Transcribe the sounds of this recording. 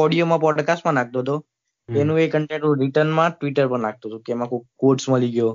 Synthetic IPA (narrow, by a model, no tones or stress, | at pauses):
ɔɽijomãpɔɖkasʈmãnak̚ʰt̪oɦt̪o | enũekəɳʈẽɳʈnũɾiʈənmãʈʋiʈəɾpə̃ɳlak̚t̪ot̪okemãkʰokoɾʈsmãliɡjo